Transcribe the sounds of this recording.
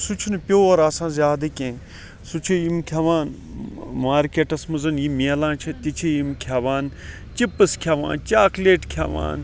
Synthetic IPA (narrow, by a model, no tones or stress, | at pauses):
sut͡ʃʰunpʲoːɐɾaːsãːzʲaːd̪ɨkʲẽː | sut͡ʃʰijimkʰʲaʋaːn | maːɾkeːʈɐsmɐzɐnjimiɐlãːt͡ʃʰit̪it͡ʃʰijimkʰjaːʋaːn | t͡ʃipːɨskʰjaːʋa̰ːnt͡ʃaːkleːʈkʰjaʋa̰ːn